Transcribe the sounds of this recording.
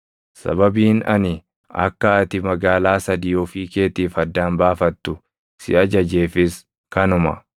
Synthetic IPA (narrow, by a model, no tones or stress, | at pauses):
sɐ̰bɐbiːnɐ̰nɪ | ɐ̰kːɐɐt̪ɪmɐɡaːlaːsɐd̪iːjoːfiːke̞ːt̪iːfɐd̪ːaːnbaːfɐt̪ːʊ | sɪ̰ʔɐd͡ʒɐd͡ʒe̞ːfɪs | kɐnʊmɐ̰